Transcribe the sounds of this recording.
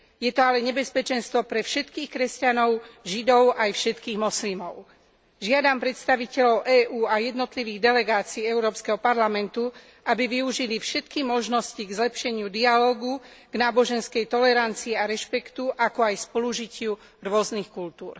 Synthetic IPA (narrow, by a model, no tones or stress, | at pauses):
jɛt̪ɔalɛɲɛbɛspɛt͡ʃɛnst̪ʋɔpɾɛfʃɛt̪kiːxkɾɛscanɔʊʒid̪ɔʊʔajfʃɛt̪kiːɣmɔslimɔʊ | ʒɪad̪ampɾɛt̪st̪aʋicɛʎɔʊʔɛːʔuːajɛd̪nɔt̪liʋiːɣd̪ɛlɛɡaːt͡siːɛʊɾɔːpskɛɦɔpaɾlamɛnt̪u | ʔabiʋiuʒilifʃɛt̪kimɔʒnɔsciɡzlɛpʃɛɲɪud̪ialɔːɡuɡ̥naːbɔʒɛnskɛjt̪ɔlɛɾant͡siiaɾɛʃpɛkt̪uʔakɔajspɔluʒicɪu | ɾʊɔznixkult̪uːɾ